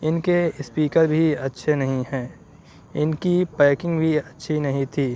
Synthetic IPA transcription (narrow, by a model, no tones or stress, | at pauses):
ɪnkeɪspiːkəɾbʱiɐtːʃʰenɐɦĩɦɛ̃ː | ɪnkipɛːkɪ̃ŋɡbʱiɐtːʃʰinɐɦĩt̪ʰiː